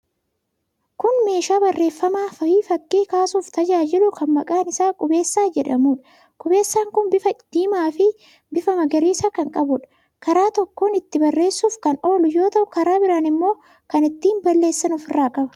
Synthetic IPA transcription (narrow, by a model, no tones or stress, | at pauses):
kʊnme̞ːʃaːbɐrːe̞ːfːɐmaːfɐhiːfɐkːiːkaːsuːft̪ɐd͡ʒaːd͡ʒɪlʊkɐnmɐkʼaːnɪsaːkʼʊbe̞ːsːaːd͡ʒɛᶑɐmuːᶑɐ | kʼʊbe̞ːsːaːŋkʊnbɪfɐd̪̥iːmaːfɪ | bɪfɐmɐɡɐɾiːsaːkɐŋkʼɐbʊᶑɐ̥ | kɐɾaːt̪ɔkːoːnɪt̪ːɪbɐrːe̞ːsːuːfkɐno̞ːlʊjo̞ːt̪ɐʔʊkɐɾaːbɪɾaːnɪmːo̞ː | kɐnɪt̪ːiːnbɐlːeːsːɐnɔfɪrːaːkʼɐbɐ̥